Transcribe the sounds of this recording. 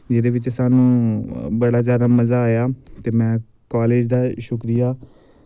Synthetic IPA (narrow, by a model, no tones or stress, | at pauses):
d͡ʒɪd̪eːʋɪt͡ʃsaːnũːbəɽaːzjaːd̪aːməzaːaːjaːt̪eːmɛ̃ː | kaːleːd͡ʒd̪aːʃʊkɾijaː